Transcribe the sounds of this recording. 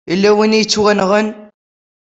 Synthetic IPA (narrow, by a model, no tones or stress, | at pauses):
əlːæwinijt͡sːwænʁən